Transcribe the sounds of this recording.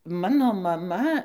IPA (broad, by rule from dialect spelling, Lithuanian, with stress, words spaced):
ˈmɑːnoː mɐˈmɐ